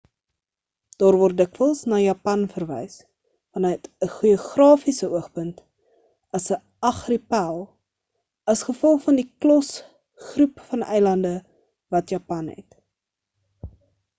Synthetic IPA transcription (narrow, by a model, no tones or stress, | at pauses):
d̥ɑːrvɔrt̚dəkvəlˠsnɑːjɑpɐnfərvɛ̰js | fɐnətəχuəχrɑːfisəuəχpənt | ɐsə | ɐχripælˠ | ɐsχəfɔlˠχfɐndiklɔs | χrupfɐnʔɛ̰jlɐndə | vɐtjɑpɐnɦɛ̰t